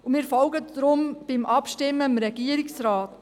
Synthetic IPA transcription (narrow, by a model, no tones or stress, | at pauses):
umɪːɾfɔlɡədɾʊmb̥ɪmʔɑpʃtɪmːəɪmɾɛɡiəɾɪksɾaːt